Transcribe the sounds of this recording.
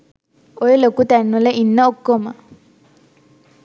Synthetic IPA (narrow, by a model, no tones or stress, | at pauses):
ojelokut̪ɛnːuleʔinːəokːomə